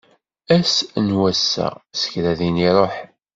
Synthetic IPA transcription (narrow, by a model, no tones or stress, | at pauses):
æsnwæsːæ̰sə̥çɾæðiniɾˤoħ